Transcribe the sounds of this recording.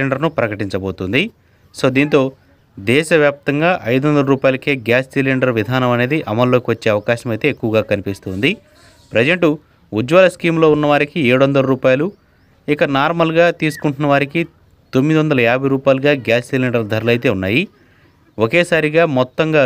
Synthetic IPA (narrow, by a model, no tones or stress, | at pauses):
eɳɖɐɾnupɾɐkɐʈiɲt͡ʃɐbo̞ːt̪und̪i | so̞ːd̪iːnt̪o̞ː | d̪ɛːʃɐʋjaːp̚t̪ɐŋɡaːʔɐjd̪uɐnd̪ɐlɐɾuːpaːjɐlɐkeːɡjaːssilːiɳɖɐɾʋid̪ʱaːnɐmɐne̞ːd̪iʔɐmɐlːo̞ːkiʋɐt͡ʃːe̞ːɐʋɐkaːʃɐmɐjt̪e̞ːkːuʋɐɡaːkɐnipist̪uːnd̪i | pɾɐd͡ʒɐɳʈu | ud͡ʒʋaːlɐskiːmlo̞ːunːɐʋaːɾikieːɽuʋɐnd̪ɐlɐɾuːpaːjɐlu | ikɐnaːɾmɐlɡaːt̪iːsu̥kuɳʈunɐʋaːɾiki | t̪omːid̪iʋɐnd̪ɐlɐaːbʱɐjɾuːpaːjluɡaːɡjaːssilːiɳɖɐɾd̪ʱɐɾɐlɐjt̪eːunːaːji | oke̞ːsaːɾiɡaːmɔt̪ːɐŋɡaː